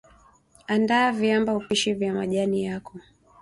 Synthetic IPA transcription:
andaːvjambaupiʃivjama̰ʄanijakɔ

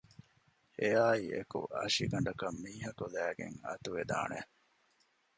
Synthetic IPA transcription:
ejaːiekṵɐ̰ʂiɡɐɳɖɐkɐmːiːɦɐkulæːɡḛŋɐ̰t̪uʋed̪a̰ːne

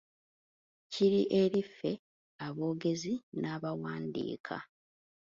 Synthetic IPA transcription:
ciɾiʔeɾifːe̞ | aβo̞ːɡe̞zinaːβawaːndḭːkʰa̰

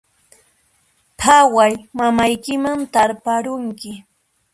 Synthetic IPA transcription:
pʰawajmamajkɪmant̪aɾpaɾʊŋkɪ

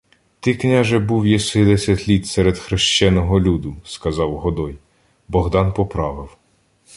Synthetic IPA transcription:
t̪ɪknʲaʒɛbuwjɛsɪd̪ɛsʲɐt̪ʲlʲit̪sɛɾed̪xɾɪʃt͡ʃɛnɔɦɔlʲud̪ʊskɐzɑwɦɔd̪ɔj | bɔɦd̪ɑnpɔpɾɑʋɪw

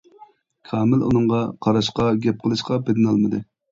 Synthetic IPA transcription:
kʰɑːmɪlṵnɨŋʁɑqʰɑɾɑʃqɑɡʲɛp̚qʰəlˠɨʃqɑbed̪ɪnɑlˠmɨd̪ɨ

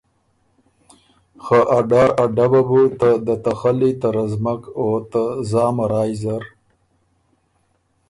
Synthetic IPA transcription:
xaʔaɖaɾaɖababut̪ad̪ət̪axalit̪aɾazmakot̪azɑːmaɾɑːjzaɾ

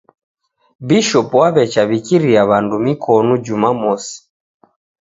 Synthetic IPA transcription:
biʃɔpwaβɛt͡ʃaβikiɾiaβandumikʰɔnud͡ʒumamɔsi̥

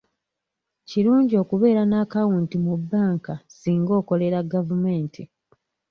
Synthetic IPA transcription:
ciɾuːɲɟio̞ːkuβe̞ːɾanaːkawuntimubːaːŋkasiːŋɡo̞ːko̞le̞ɾaɡavume̞ːntʰi

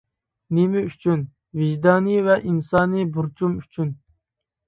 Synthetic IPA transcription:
nɪmɪyt͡ʃʰyn | viʒd̪ɑːnivɛʔinsɑːnɨbuɾt͡ʃʰumyt͡ʃʰyn

